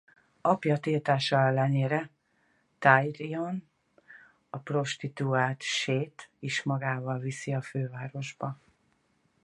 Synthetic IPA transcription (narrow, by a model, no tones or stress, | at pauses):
ɒpjɒt̪iːlt̪aːʃɒɛlːɛneːɾɛ | t̪ajrion | ɒpro̞ʃt̪it̪uaːt̪ʃeːt̪eːʃmɒɡaːvɒlvisiɒføːvaːɾo̞ʒbɒ